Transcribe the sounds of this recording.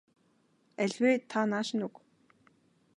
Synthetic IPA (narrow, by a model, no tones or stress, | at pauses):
æɮʲweːt̪ʰːanaːʃɪ̆nuk